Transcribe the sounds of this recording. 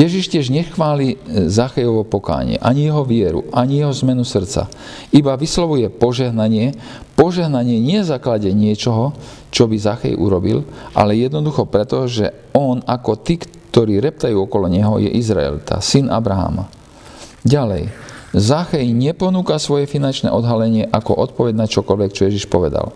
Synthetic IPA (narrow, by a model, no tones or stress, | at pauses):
jɛʒiʃcɪɛʒɲɛxʋaːlizaxɛjɔʋɔpɔka̰ːɲɪ̰ɛ̰ʔaɲijɛɦɔʋɪɛɾṵʔaɲijɛɦɔzmɛnusr̩t̪t͡sa̰ | ibaʋislɔʋujɛpɔʒɛɦnaɲɪɛ | pɔʒɛɦnaɲɪɛɲɪɛzaklaɟɛɲɪɛt͡ʃɔɦɔ | t͡ʃɔbizaxɛ̰jʔṵɾɔbḭlʔa̰lɛjɛd̪nɔd̪uxɔpɾɛt̪ɔʒɛ̰ | ɔnakɔt̪iːk | t̪ɔɾiːɾɛp̚t̪ajuːɔkɔlɔɲɛɦɔ̰jɛ̰ʔizɾa̰ɛ̰lt̪ʰa̰sinʔa̰bɾaɦa̰ma̰ | ɟalɛ̰jzaxɛjɲɪɛpɔnuːkasʋɔjɛfinant͡ʃnɛ̰ːʔɔd̪ɦalɛɲɪɛʔakɔʔɔt̪pɔʋɛɟnat͡ʃɔkɔlʋɛkt͡ʃɔjɛʒiʃpɔʋɛd̪a̰l